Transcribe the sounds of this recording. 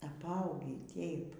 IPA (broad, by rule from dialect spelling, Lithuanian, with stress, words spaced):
ɐpˈɐʊɡʲiː ˈtʲeːɪp